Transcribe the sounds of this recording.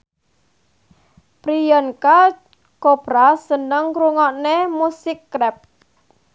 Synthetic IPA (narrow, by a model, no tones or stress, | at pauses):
pɾijɔnka | kopɾasənəŋɾuŋɔʔnemusɪkːɾɛp̚